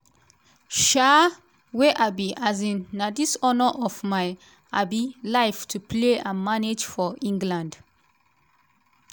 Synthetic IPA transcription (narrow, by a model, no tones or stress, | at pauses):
ʃa | weʔabiʔazĩnnadisɔnəʔɔfmaɪ | abilaɪftʰupʰleãmaned͡ʒfɔĩŋɡlãnd